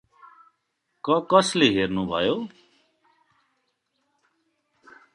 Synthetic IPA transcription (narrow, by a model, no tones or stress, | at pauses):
kʌkʌsleɦeɾnubʱʌjo